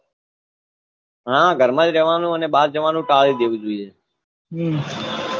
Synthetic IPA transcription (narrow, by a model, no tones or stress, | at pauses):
ɦãːɡʱəɾmãːd͡ʒɾeːʋaːnũːənẽːɓaːd̪d͡ʒəʋaːnũːʈaːliːd̪eːʋuːd͡ʒoiːeː | ɦ